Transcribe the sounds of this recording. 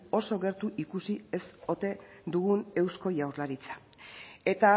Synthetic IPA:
o̞so̞ɣe̞ɾt̪uʔikusie̞so̞t̪e̞ | d̪uɣune̞wsko̞jawɾlaɾit͡sḁe̞t̪a

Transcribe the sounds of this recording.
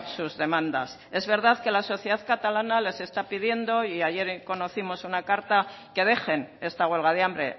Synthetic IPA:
suzðe̞mãnd̪as | e̞zβe̞ɾðaðke̞laso̞θjeaðkat̪alanale̞se̞st̪apið̞je̞nd̪o̞iaje̞ɾko̞no̞θimo̞sunakaɾt̪a | ke̞ð̞e̞xe̞ne̞st̪aɣwe̞lɣ̞að̞eambɾe̞̰

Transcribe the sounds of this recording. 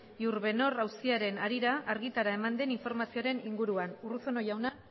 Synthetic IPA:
iuɾβe̞no̞rawst̪iaɾe̞naɾiɾaːɾɣit̪aɾae̞mand̪e̞niɱfo̞ɾmasioɾe̞niŋɡuɾuanurusono̞jawna

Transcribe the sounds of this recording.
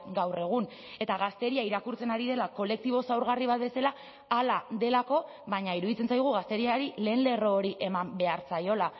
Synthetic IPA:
ɡawre̞ɣ̞un | e̞t̪aɣ̞ast̪e̞ɾiaiɾakuɾt͡se̞naɾið̞e̞lako̞le̞k̚t̪iβ̞o̞sawɾɣariβ̞at̪be̞salaː | laðe̞lako̞ | βaɲaiɾuðit͡se̞nt͡sajɣ̞uɣast̪e̞ɾiaɾile̞ːnle̞ro̞ːɾiʔe̞mambe̞aɾt͡sajo̞la

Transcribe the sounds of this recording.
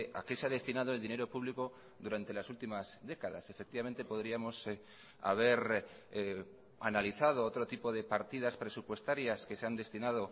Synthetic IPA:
a̰keseað̞e̞st̪inað̞oeld̪ine̞ɾo̞puβliko̞ | ðuɾant̪e̞lasult̪imazðe̞kaða̰se̞fek̚t̪iβamẽnt̪e̞po̞ðɾiamo̞s | a̰β̞e̞ɾ | a̰naliθað̞o̞ot̪ɾo̞t̪ipo̞ð̞e̞paɾt̪iðaspɾe̞supwe̞st̪aɾjaske̞seand̪e̞st̪inað̞o̞

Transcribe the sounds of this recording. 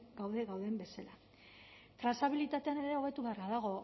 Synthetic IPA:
ɡawðe̞ɣawðe̞mbe̞sala | t̪ɾasaβilit̪at̪e̞ane̞ɾeo̞β̞e̞t̪uβe̞aɾɣaðaɣ̞o̞

